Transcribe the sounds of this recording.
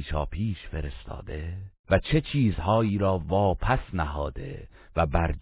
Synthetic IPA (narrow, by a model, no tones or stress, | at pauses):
ʃɒ̰ːpʰiːʃfe̞ɾe̞st̪ʰɒ̰ːd̪e̞væt͡ʃʰe̞t͡ʃʰiːzhɒːiːɾɒːvɒːpʰæsnæɦɒːd̪̥e̞̰ | væbæɾd͡ʒ